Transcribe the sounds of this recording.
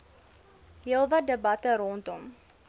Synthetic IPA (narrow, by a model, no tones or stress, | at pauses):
ɦiəlˠvɐdəbɐtəɾɔntɔm